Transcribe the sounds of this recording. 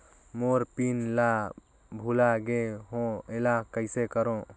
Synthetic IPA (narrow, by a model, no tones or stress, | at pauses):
moɾpinla | bʱulaɡeɦõelakəɪsekəɾõ